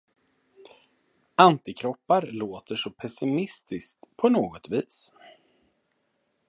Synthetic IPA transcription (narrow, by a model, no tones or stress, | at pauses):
ant̪ɪkʰɾɔpːaɾloːt̪əʂɔpʰɛsɪmɪst̪ɪskt̪pʰɔnoːɡɔt̪viːs